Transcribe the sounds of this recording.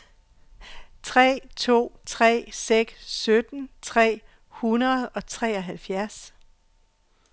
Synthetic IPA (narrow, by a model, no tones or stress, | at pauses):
t͡sʰʁɛ̰ːt͡sʰo̝̰ːt͡sʰʁɛ̰ːseɡ̥ssød̥n̩t͡sʰʁɛ̰ː | hunɐðˠɒ̽t͡sʰʁɛ̰ːɒɦælfjæɐs